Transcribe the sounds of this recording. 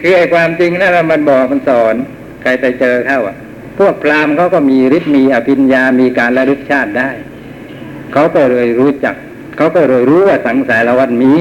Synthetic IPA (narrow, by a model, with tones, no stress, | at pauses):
kʰɯː˧˩ʔa˧˨˩jkʰwaː˧mt͡ɕi˧ŋnaː˧˥˩wa˧˩ma˧˥˨nbɔː˨˩k̚ma˧˨nsɔː˨˩˦n | kʰa˧jt̪a˧˩jt͡ɕɤː˧kʰa˧˥˩wa˧˩ | pʰu˥˩ək̚pʰlaː˧mkʰa˦˥˩wkɔː˧˩miː˧ɾi˦˥t̪̚miː˧ʔa˨˧˩pʰi˧njaː˧miː˧kaː˨nla˧du˧˩t̪̚t͡ɕʰaː˥˩t̪̚daː˥˩j | kʰa˦˥wkɔː˧˩ɾɤː˧˩jɾuː˦˥t͡ɕa˨˩k̚ʰː | a˦˥wkɔː˧˩ɾɤː˧˩˨jɾuː˦˥waː˧˩sa˨˦ŋsaː˨˦jla˧wa˧˨nmiː˦˥